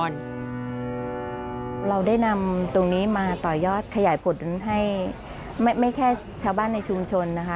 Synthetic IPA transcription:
n | ɾa˧wdaː˥˩jna˧mt̪o˧ŋniː˦˥maː˧t̪ɔː˨˩jɔː˥˩t̪̚kʰa˧jaː˩˦jpʰo˨˦nɦa˥˩j | ma˥˩jma˥˩jkʰɛː˥˩ | t͡ɕʰaː˧wbaː˥˩nːa˧jt͡ɕʰu˧mt͡ɕʰo˧nːa˦˥kʰa˦˥

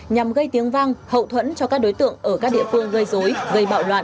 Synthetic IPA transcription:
ɲa˨˩mɣə˧jt̪i˨˦əŋva˧ŋhə̰˧˨wt̪ʰwə̰˧˥nt͡ɕɔ˧kaː˦˥k̚ɗo˨˦jt̪ɨ̰˧˨əŋʔəː˧˩kaː˦˥k̚ɗḭ˧˨əfɨ˧əŋɣə˧jzo˨˦jɣə˧jɓa̰ː˧˨wlwa̰ː˧˨n

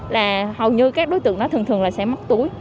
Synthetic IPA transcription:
laː˨˩hə˨˩wɲɨ˧kaː˦˥k̚ɗo˨˦jt̪ɨ̰˧˨ənɔ˨˦t̪ʰɨ˨˩t̪ʰɨ˨˩əŋlaː˨˩sɛ̰˧˥ma˦˥k̚t̪u˨˦əj

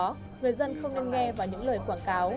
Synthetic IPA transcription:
ŋɨ˨˩əjzə˧nxə˧wŋ͡mne˧nŋɛ˧vaː˨˩wɲɨ̰˧˥ŋləː˨˩jkwaː˧˩nkaː˨˦w

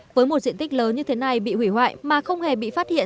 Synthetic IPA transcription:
vəː˨˦jmo˨˩t̚zḭ˧ənt̪k̚ləː˨˦nɲɨ˧t̪ʰe˨˦na˨˩jɓḭ˧˨hwi˧˩hwa̰ː˧˨jmaː˨˩xə˧wŋ͡mhe˨˩ɓḭ˧˨faː˦˥t̚hḭ˧˨ə

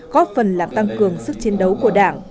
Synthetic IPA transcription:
kɔ˨˦fə˨˩nlaː˨˩mt̪a˧ŋkɨ˨˩əŋsɨ˦˥k̚t͡ɕi˨˦ənɗə˨˦wku˧˩əɗa̰ː˧˩ŋ

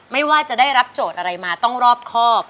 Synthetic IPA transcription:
ma˥˩jwaː˥˩t͡ɕa˨˩ʔdaː˥˩jɾa˦˥p̚t͡ɕoː˨˩t̪̚ʔa˧ɾa˧jmaː˧t̪ɔ˥˩ŋɾɔː˥˩p̚kʰɔː˥˩p̚

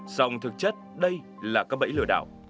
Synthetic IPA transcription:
sa˧wŋ͡mt̪ʰɨ˨˩k̚t͡ɕə˦˥t̚ɗə˧j | laː˨˩kaː˦˥k̚ɓə̰˧˥jlɨ̰˧˩əɗa̰ː˧˨w

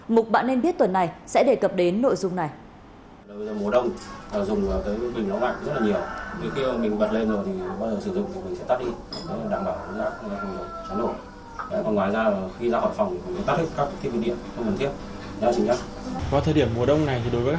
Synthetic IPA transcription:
mʊ˨˩k͡p̚ɓa̰ː˧˨nːe˧nɓi˦˥ət̚t̪wə˨˩nːa˨˩jsɛ̰˧˥ɗe˨˩kə˨˩p̚ɗe˨˦nːo̰˧˨jzʊ˨˩ŋ͡mna˨˩j | lːə˧zəː˨˩mu˨˩əɗə˧wŋ͡maː˨˩zʊ˨˩ŋ͡mvaː˨˩kaː˨˦jɓï˨˩ŋ̟la˨˦wla̰ː˧˨ŋzə˦˥t̚laː˨˩ɲi˨˩əwt̪e˨˦xi˧˨˩mï˨˩ŋ̟ɓə˨˩t̚le˧nzo˨˩t̪ʰi˨˩˨ɓaː˧zəː˨˩sɨ˧˩zʊ̰˧˨ŋ͡mkmi˨˩ŋ̟sɛ̰˧˥t̪aː˦˥k̚ɗi˧˨˩ə˨˦la˨˩ɗaː˧˩ŋ͡mɓaː˧˩wkə˨˦kaː˦˥k̚ːaː˨˦nɗo̰˧˨ | a̰˧˥kɔ˨˩ŋwaː˨jzaː˧lxi˧zaː˧hɔ̰˧˨jfa˨˩wŋ͡mt̪ʰi˨˩mɔ˨˩st̪a˦˥hʰi˦˥ka˦˥kt̪ʰi˧˩vḭ˧˩ɗḭ˧˨ən˨˦xə˧ŋk̪ʰnt̪ʰi˦˥ət̚ | zaː˧t͡ɕi˨˩ŋza˦˥k̚ | vaː˨˦t̪ʰəː˨˩jɗi˧˩əmːu˨˩əɗə˧wŋ͡mna˨˩jt̪ʰi˨˩ɗo˨˦vəː˨˦ka˥

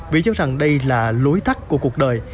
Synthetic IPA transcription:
vḭ˨˩t͡ɕɔ˨˦˥za˨˩ŋɗə˧jlaː˨˩lu˨˦jt̪ʰa˦˥k̚ku˧˩əku˨˩ə˩k̚ɗəː˨˩j

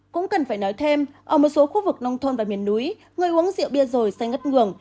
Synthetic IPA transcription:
kʊ̰˧˥ŋ͡mkə˨˩nfaː˧˩jnɔ˨˦jt̪ʰe˧mʔəː˧˩mo˨˩t̚so˨˦xu˧vɨ˨˩k̚na˧wŋ͡mt̪ʰo˧nvaː˨˩mi˨˩ənːu˨˦j | ŋɨ˨˩əjʔu˨˦əŋzḭ˧˨əwɓi˧əzo˨˩jsa˧jŋə˦˥t̚ŋɨ˨˩əŋ

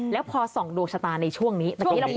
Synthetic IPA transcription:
lɛː˦˥wpʰɔː˧sɔ˨˩˦ŋdu˨˩əksʰa˧t̪aː˧nːa˧jt͡ɕʰu˥˩əŋniː˦˥t̪a˨˧˩kː

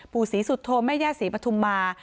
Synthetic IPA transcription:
pʰuː˨˩siː˩˦su˨˩˦t̪ʰːoː˧mɛː˥˩jaː˥˩siː˨˩˦pɾa˧t̪ʰu˧mːaː˧

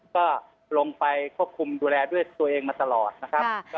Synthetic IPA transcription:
kɔː˥˩ | lo˧ŋpa˧jkʰu˥˩əp̚kʰu˧mduː˧lɛː˧du˥˩əjt̪u˧ɐʔeː˧ŋmaː˧t̪a˧lɔː˨˩t̪̚na˦˥kʰa˦˥kː

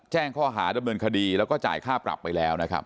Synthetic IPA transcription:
t͡ɕɛː˥˩ŋkʰɔː˥˩ɦaː˩˦da˧mnɤː˧nkʰa˧diː˧lɛː˦˥wkɔː˥˩t͡ɕa̰ː˨˩jkʰaː˥˩pɾa̰˨˩pːa˧jlɛː˦˥wna˦˥kʰa̰˦˥p̚

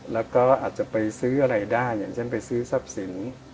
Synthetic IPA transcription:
lɛː˦˥wkɔː˥˩ʔaː˨˩t̪̚t͡ɕa˨˩pa˧jsɯː˦˥ʔa˧ɾa˧jdaː˥˩jaː˨˩ŋt͡ɕʰe˥˩npa˧jsɯː˦˥sa˧˥˩p̚si˩˦n

